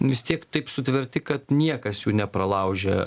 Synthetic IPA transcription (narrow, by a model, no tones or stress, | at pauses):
ʋʲɪst̪ʲiɛkt̪ɐɪpsʊt̪ʲʋʲɛɾʲt̪ʲɪkɐt̪nʲiɛkɐsjuːnʲɛpɾɐlˠɐʊʒʲɛ